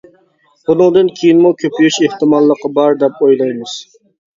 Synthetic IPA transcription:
bunɨŋd̪ɨnkʲʰejinmukʲʰøpʰyjyʃeht̪ɨmɑlˠːəqːɑbɑɾd̪ɛpojlˠɑjmɨz̥

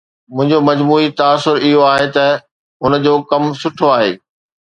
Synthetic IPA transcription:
mʊ̃ɦɪ̃ɲd͡ʑomɐd͡ʑmuːit̪ɐaːsːʊɾɪɦoaːɦet̪ɐ | ʊnd͡ʑoːkɐmsʊʈʰoaːɦḛː

